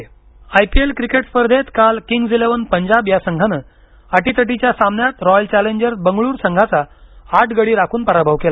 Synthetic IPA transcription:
ajpielkɾikeʈspəɾd̪ʱet̪kalkiŋɡd͡zileʋənpəɲd͡ʑabjasəŋɡʱanəː | əʈit̪əʈ̬it͡ɕjasamnjat̪ɾɔjəlt͡ɕɛleɲd͡ʑəɾbəŋɡɭuːɾsəŋɡʱat͡saːʈʰɡəɽiːɾakʰuːnpəɾabʱəʋkela

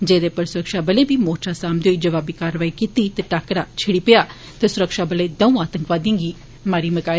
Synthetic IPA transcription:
d͡ʒeːd̪eːpəɾsʊɾəkʃaːbəleːbiːmoːt͡ʃaːsaːmd̪eʊiːd͡ʒəʋaːbiːkaːɾʋaːikiːt̪iːt̪eːʈaːkɾaːt͡ʃʰeɽiːpɪjaː | t̪esʊɾəkʃaːbəleːd̪əũːaːt̪ə̃ŋkʋaːd̪ĩːɡiː | maːɾiːməkaː

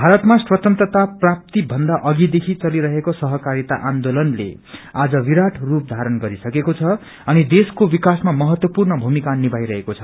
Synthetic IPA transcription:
bʱaɾʌt̪maswʌt̪ʌnt̪ʌt̪aprap̚t̪ibʱʌnd̪aʔʌɡid̪ekʰit͡sʌliɾʌɦekosʌɦʌkaɾit̪aʔand̪olʌnlḛ | ad͡zʌʋiɾaʈʰrup̚d̪ʱaɾʌnɡʌɾisʌkekot͡sʰʌ | ʌnid̪eskobikasmamʌɦʌt̪wʌpurnʌbʱumikanibajɾʌɦekot͡sʰʌ̥

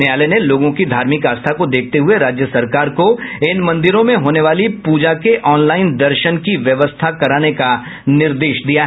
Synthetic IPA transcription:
eaːleneloːɡõkid̪ʱaːɾmɪkaːst̪ʰakod̪eːk̚ʰt̪eɦʊeɾaːd͡ʒjəsɐɾkaːɾkoɪnmɐ̃nd̪ɪɾõmẽɦoːneʋaːlipuːd͡ʒakeʔɔːnlaːɪnd̪ɐɾʃənkiʋjɐʋəst̪ʰakɐɾaːneka | nɪɾd̪eːʃd̪ijaɦ

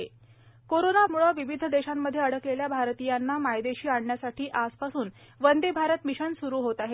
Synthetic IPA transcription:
e | koɾonamuɭəʋiʋid̪ʱəd̪eɕamːəd̪ʱjeəɽəkleljabʱaɾt̪ijanːamajd̪eɕiːaɳɳjasaʈʰiːʔaspasuːn | ʋənd̪ebʱaɾət̪miɕənsuɾuːɦot̪aɦe

